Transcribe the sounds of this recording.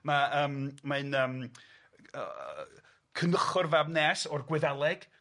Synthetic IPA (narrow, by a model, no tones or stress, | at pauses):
maəːmmaɨnəːm | ə̰ | kʰənəχʊrvabnɛːsɔrɡwɪðɛlˠɛɡ̥